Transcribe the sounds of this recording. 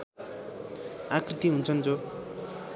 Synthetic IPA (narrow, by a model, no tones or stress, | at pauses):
akrit̪iɦunt͡sʰʌnt͡so